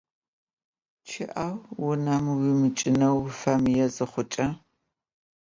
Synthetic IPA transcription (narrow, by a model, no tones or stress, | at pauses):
t͡ʃʰɪʔawwʊnɐmwimɨt͡ʃʼɪnɐwfɐmjɛzɨχʷʊt͡ʃʼɐ